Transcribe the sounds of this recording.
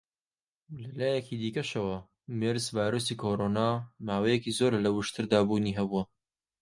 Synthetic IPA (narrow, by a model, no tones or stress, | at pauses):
lɐlaːjɛkʰiːd̪iːkɐʃɐwɐ | meɾzvaːjɾoːsiːkʰoɾoːnaːmaːwɐjɛkiːzoːɾlɐwɨʃt̪ʰɨɾd̪aːbuːniːɦɐbuɐ